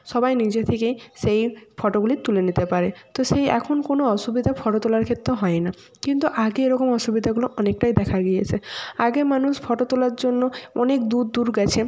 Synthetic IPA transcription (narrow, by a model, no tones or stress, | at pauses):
ʃɔbajnid͡ʑet̪ʰekejʃejfɔʈoɡulit̪ulenit̪epaɾet̪oʃejɛ̰kʰonkonoɔʃubid̪ʱafʰɔʈot̪olaɾkʰet̪ːɾoɦɔena | kint̪uʔaɡeeɾɔkomɔʃubid̪ʱaɡuloʔɔnek̚ʈajd̪ɛkʰaɡijet͡ɕʰeaɡemanuʃfʰɔʈot̪olaɾd͡ʑonːoɔnekd̪ud̪d̪uɾɡɛt͡ɕʰe